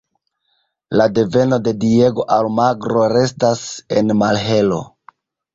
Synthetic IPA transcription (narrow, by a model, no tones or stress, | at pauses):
lade̞ve̞no̞de̞die̞ɡo̞ʔalmaɡɾo̞ɾe̞stase̞nmalɦe̞lo̞̰